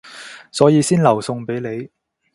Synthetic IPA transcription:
sɔː˨˥jiː˨˧siː˥nlɐ˨˩wsʊ˧ŋpe˨˥jle˨˧j

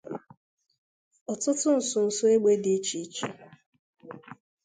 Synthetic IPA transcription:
ɔ˨tʊ˦tʊ˦n̩˨sʊ˨n̩˨sʊ˦e˦ɡ͡be˦dɪ˦t͡ʃi˦t͡ʃi˨

